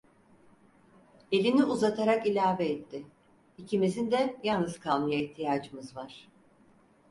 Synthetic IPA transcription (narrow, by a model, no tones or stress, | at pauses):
e̞lʲiniʔuzat̪ʰaɾakilʲaːvɛɛt̪ːɪ | icʰimizind̪ɛjalnɯzkʰalˠmɯjaiht̪ʰijaːd͡ʒɯmɯzvaɾ̥